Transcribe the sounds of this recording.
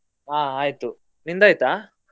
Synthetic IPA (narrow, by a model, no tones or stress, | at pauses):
aːaːjt̪u | nind̪aːjt̪aː